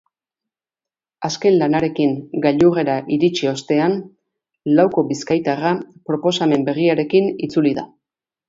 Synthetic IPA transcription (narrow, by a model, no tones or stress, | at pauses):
aske̞nlanaɾe̞kiŋɡaʎure̞ɾaʔiɾit͡ʃio̞st̪e̞an | lawko̞biskajt̪arapɾo̞po̞same̞mbe̞ɣiaɾe̞kinit͡suliða